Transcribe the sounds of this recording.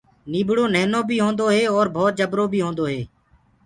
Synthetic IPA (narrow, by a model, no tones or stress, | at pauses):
niːbɽoːneːnõːbʱiːɦoːnd̪oːɦeːɔːɾbʱoːt̪̚d͡ʒəbɾoːbʱiːɦõːnd̪oːɦeː